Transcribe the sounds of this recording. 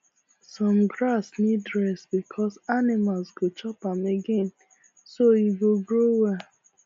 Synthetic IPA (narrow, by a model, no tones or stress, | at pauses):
sɔ̃mɡɹasnidɹɛsbikʰɔsanimalsɡot͡ʃɔpãmeɡẽn | soiɡoɡɹowɛ